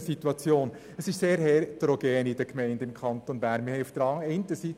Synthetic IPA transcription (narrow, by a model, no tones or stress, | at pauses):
sit̪wɑt͡sjoːn | əsɪʃseːɾhɛɾd̥ɾoɡ̥ɛːnɪdəkmɛɪndɪmkʰɑnt̪onbæːɾnmɪhɛɪufd̥əɾɑŋɛɪntəsi